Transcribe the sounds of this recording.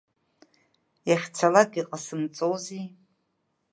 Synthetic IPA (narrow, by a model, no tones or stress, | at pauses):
jaχʲt͡sʰalaɡʲʼiqʼasɨmt͡sʼowzi